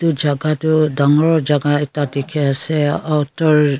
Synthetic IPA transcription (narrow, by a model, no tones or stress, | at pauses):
tud͡ʒaɡatudaŋɔɹɔd͡ʒaɡaɛtatikʰɛasɛawtɔɹ